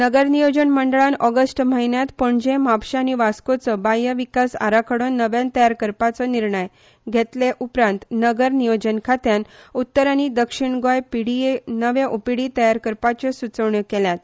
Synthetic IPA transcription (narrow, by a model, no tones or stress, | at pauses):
nəɡəɾnijod͡ʑənməɳɖəɭanɔɡəsʈməɦinjat̪pəɳd͡ʑẽmapɕaːniʋaskot͡səbajəʋikasa̰ɾakʰəɽonːəʋjãnt̪əjaɾkəɾpat͡sɔniɾɳəj | ɡʱet̪leʔupɾãnt̪nəɡəɾnijod͡ʑənkʰat̪janut̪ːəɾañid̪əkʂiɳɡojpiɽienəʋeʔupiɽit̪əjaɾkəɾpat͡ɕesut͡səʋɳəkɛljat̪